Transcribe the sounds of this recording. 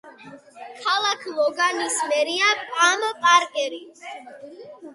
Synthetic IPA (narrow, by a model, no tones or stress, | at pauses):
kʰalˠakʰlˠɔɡanismɛɾiapʼampʼaɾkʼɛɾis